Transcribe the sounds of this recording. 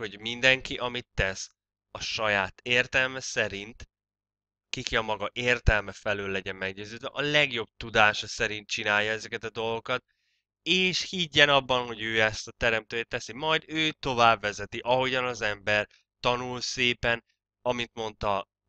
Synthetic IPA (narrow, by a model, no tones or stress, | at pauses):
ho̞ɟmind̪ɛŋkiʔɒmit̪ːɛs | ɒʃɒjaːt̪eːrt̪ɛlmɛsɛɾint̪ | kikiɒmɒɡɒʔeːrt̪ɛlmɛfɛløːlːɛɟɛmmɛɡɟøːzøːd̪vɛʔɒlɛɡjo̞b̚t̪ud̪aːʃɒsɛɾint̪̚t͡ʃinaːjːɒɛzɛkɛt̪ɒd̪o̞lˠɡo̞kɒt̪̚ | eːʃhiɟːɛnɒbːɒnɦo̞ɟøːɛst̪ɒt̪ɛɾɛmt̪øːjt̪ːɛsimɒjd̪øːt̪o̞vaːbvɛzɛt̪iʔɒɦo̞ɟɒnɒzɛmbɛr | t̪ɒnulseːpɛn | ɒmint̪mo̞nt̪ɒ